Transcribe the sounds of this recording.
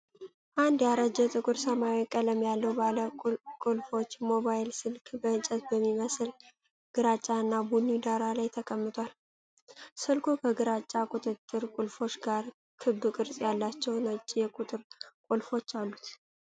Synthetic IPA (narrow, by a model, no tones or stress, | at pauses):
ʔand̪jaɾəd͡ʒɛt̪ʼɨkʼuɾsəmajwikʼələmjalːəwbaləkʼʊlfo̞t͡ʃːmo̞βajlsɨlkʰbənt͡ʃʼɛt̪bəmːiməsɨl | ɡ̥ɨɾat͡ʃʼːaɨnːabunːid̪aɾalajt̪ʰəkʼəmːɨt̪ʰʼwal | sɨlkʰukʰəɡɨɾat͡ʃʼːakʼut̪ʼɨt̪ʼːɨɾkʼʊlfo̞t͡ʃːɡaɾ | kʰɨbɨkʼɨɾsʼjalːat͡ʃːɛwnət͡ʃʼːijɛkʼut̪ʼɨɾkʼulfo̞t͡ʃːalːut̪